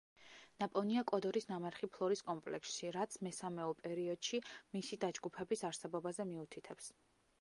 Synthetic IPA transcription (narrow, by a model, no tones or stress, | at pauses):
napʼɔniakʼɔd̪ɔɾisnamɛɾχipʰlˠɔɾiskʼɔmpʼlɛ̰ksʃiɾat̪sʰmɛsamɛɔpʼɛɾiɔd̪̥ʃimisid̪ad͡ʒɡupʰɛbisaɾsɛbɔbazɛmiut̪ʰit̪ʰɛps